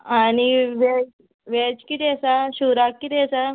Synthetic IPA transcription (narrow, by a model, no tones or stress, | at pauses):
añiʋɛ | ʋɛt͡ɕkit̪iəsaɕuɾakkːit̪ɛəsa